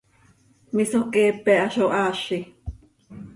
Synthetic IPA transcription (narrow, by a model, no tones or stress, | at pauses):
misokɛːpɛʔaʃoʔaːʃi